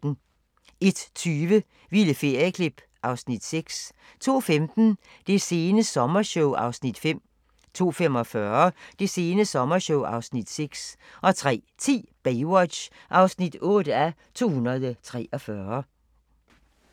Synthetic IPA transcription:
n̩ | e̝d̥t͡sʰyːʋə | ʋiləfe̝ɐ̰jɐkʰlib̥ | ʔɑ̈ʊsnid̥seɡ̥s | t͡sʰo̝̰ːfemd̥n̩ | d̥e̝se̝ːnəsɒ̽mɐɕɔʊɑ̈ʊsnid̥fem̰ | t͡sʰo̝̰ːfem̰ɒ̽fɶɐd̥e̝se̝ːnəsɒ̽mɐɕɔʊɑ̈ʊsnid̥seɡ̥sʔɒ̽t͡sʰʁɛ̰ːt͡sʰḭːb̥eɪwɒd̥ɕʔɑ̈ʊsnid̥ɔ̽ːd̥æ | t͡sʰo̝̰ːhunɐð̞ˠət͡sʰʁɛ̰ːʔɒ̽fɶɐ

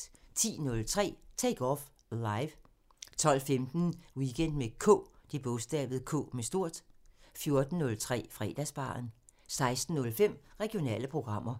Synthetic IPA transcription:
t͡sʰḭːnɔ̽lt͡sʰʁɛ̰ːt͡sʰeɡ̥ɒf | lɑ̈ɪʋ | t͡sʰɒ̽l̰femd̥n̩wiɡ̥en̰d̥mekʰɔ̰ːd̥ib̥ɔ̽sd̥ɛ̰ːb̥ð̞̩ˠkʰɔ̰̽ːmesd̥o̝ɐ̰d̥fjo̝ɐd̥n̩ːɔ̽lt͡sʰʁɛ̰ːfʁɛːd̥æsb̥ɑ̰̈ːn | sɑ̈ɪsd̥n̩ːɔ̽lfem̰ʁɛɡ̥io̝nɛ̰ːləpʰʁo̝ɡ̥ʁɑ̈m̰ɐ

